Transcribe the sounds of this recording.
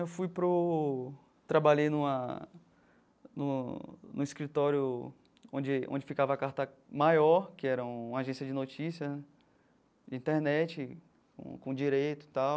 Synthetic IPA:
ewfujpɾʊ | t̪ɾabaʎejnũɐ | nʊ̃nũiskɾit̪ɔɾjʊ | õd͡ʒɪõ̰d͡ʒɪfikavɐakaɾt̪ɐmajɔɾkɪɛɾɐũũaʒẽsiɐd͡ʒɪnot͡ʃisiɐ | d͡ʒɪĩt̪eɾnɛt͡ʃɪ | kõ̰kõd͡ʒiɾejt̪ʊ̥t̪aw

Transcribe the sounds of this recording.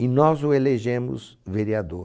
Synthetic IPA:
ɪnɔzʊeleʒẽmʊ̰sveɾiad̪oɾ

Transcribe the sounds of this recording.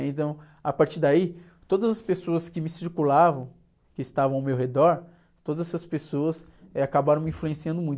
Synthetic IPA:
ẽt̪ɐ̃w̃ | apaɾt͡ʃiɾd̪ai | t̪od̪ɐzɐspesoɐskɪmɪsiɾkulavɐ̃w̃ | kɪːst̪avɐ̃awmewɦed̪ɔɾ | t̪od̪ɐzɛsɐspesoɐs | akabaɾɐ̃w̃mĩfluẽsiɐ̃nd̪ʊmũj̃t̪

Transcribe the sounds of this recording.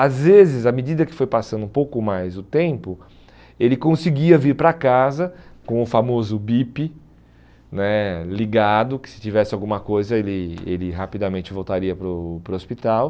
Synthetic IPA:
azvezɪzɐmed͡ʒid̪ɐkɪ̥fojpasɐ̃nd̪ũpowkʊmajzʊt̪ẽpʊ | elɪkõsɪɡiɐviɾpɾakazɐkõʊfamozʊbipɪ | nɛliɡad̪ʊkɪ̥sɪ̥t͡ʃivɛsɪawɡũmɐkojzɐelɪḛlɪɦapid̪amẽnt͡ʃɪvowt̪aɾiɐpɾʊpɾʊospit̪aw

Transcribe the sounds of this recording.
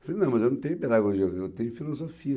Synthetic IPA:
finɐ̃w̃mɐzewnũt̪ẽjũped̪aɡoʒiɐewt̪ẽj̃ũfilozofiɐ

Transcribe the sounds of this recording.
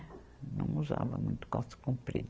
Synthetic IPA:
nɐ̃w̃uzavɐmũj̃t̪ʊ̥kɔsɐ̥kũmpɾid̪

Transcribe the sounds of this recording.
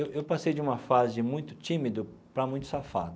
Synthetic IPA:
ewʔewpasejd͡ʒɪũmɐfazɪmũj̃t̪ʊ̥t͡ʃĩmid̪ʊ | pɾɐmũj̃t̪ʊ̥safa̰d̪ʊ

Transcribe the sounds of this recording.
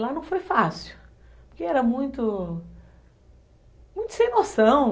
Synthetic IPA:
lanɐ̃w̃fojfasiuʊ | pʊɾkeɛɾɐmũj̃t̪ʊ | mũj̃t̪ʊ̥sẽnosɐ̃w̃

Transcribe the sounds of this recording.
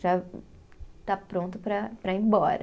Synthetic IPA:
ʒa | t̪apɾõnt̪ʊpɾɐpɾɐẽbɔɾɐ

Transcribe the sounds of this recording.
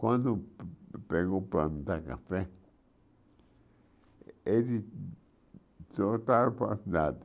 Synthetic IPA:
kʷãnd̪opeɣopand̪akafe | edi | t͡sot̪aɾpasd̪ad̪

